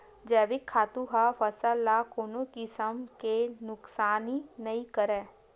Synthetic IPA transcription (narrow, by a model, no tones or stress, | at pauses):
d͡ʒɛːʋɪkʰːaːt̪ũɦafɐsəlːakoːnõkisɐmkenʊksaːninɐĩkɐɾẽː